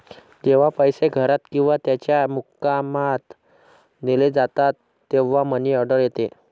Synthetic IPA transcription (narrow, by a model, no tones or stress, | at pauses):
d͡ʑeʋ̤apəjseɡʱəɾat̪kĩw̃ʋat̪jat͡ɕjamukːamat̪ | neled͡zat̪at̪ːeʋ̤aməniəɖəɾjet̪e